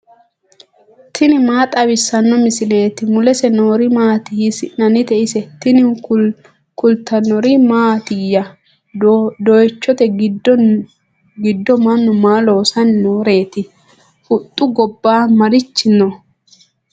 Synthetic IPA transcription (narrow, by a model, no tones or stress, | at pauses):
t̪ʰɪnɪmaːt̪ʼɐbɪsɐnːɔmɪsɪle̞ːt̪ɪmʊlɛsɛnoːɾɪmaːt̪ɪhɪsɪʔnɐnɪt̪ɛʔɪsɛt̪ɪnɪ | kʊlt̪ɐnːɔɾɪmaːt̪ɪjɐ | d̪ɔjt͡ʃːɔt̪ɛɡ | ɡɪd̪ːɔmɐnːʊmaːloːsɐnnoːɾe̞ːt̪ɪ | ʊt̪ʼːʊɡɔbːaːmɐɾɪt͡ʃːɪnɔ